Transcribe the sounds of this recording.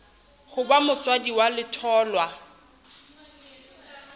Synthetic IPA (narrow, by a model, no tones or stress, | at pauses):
χʊbamʊt͡sʼwadiwalɪtʰɔːlwa